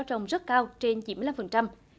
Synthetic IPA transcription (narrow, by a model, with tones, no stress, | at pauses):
wt͡ɕə˨˩wŋ͡mzə˦˥t̚kaː˧wt͡ɕe˧nt͡ɕi˨˧˩nm˧˨la˧mfə˨˩nt͡ɕa˧m